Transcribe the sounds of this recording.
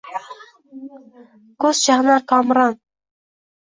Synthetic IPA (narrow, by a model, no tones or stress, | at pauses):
kʰɵzʃahnakʰɒmɾɒn